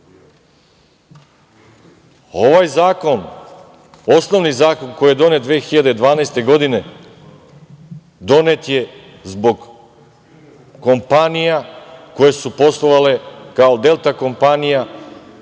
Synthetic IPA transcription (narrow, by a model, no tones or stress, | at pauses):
o̞ʋajzaːko̞n | o̞sno̞ʋnizaːko̞nkojjed̪o̞ned̪ʋeːxiʎad̪ed̪ʋaːnajst̪e̞ɡo̞d̪ine | d̪o̞ne̞t̪je̞ | zbo̞ɡ | ompanijako̞je̞supo̞slˠoʋale̞kaod̪e̞lt̪ako̞mpanija